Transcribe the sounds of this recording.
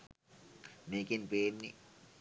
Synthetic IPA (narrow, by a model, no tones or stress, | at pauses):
nekinpeːnːḭ